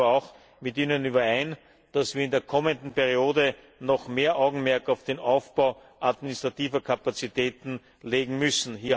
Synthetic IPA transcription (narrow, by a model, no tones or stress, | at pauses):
ɑʊx | mɪtiːnənyːβɐæɪn | d̥asv̥iːɐɪndeːɐkʰɔməndn̩pɛʁioːdə | nɔxmeːɐʔaʊɡŋ̩mɛɐkɑʊfd̥eːnʔaʊfb̥aʊ | ʔadmɪnɪstʁ̥atiːvɐkʰapat͡sitɛːtn̩ | leːɡŋ̩mʏsn̩hiːɐ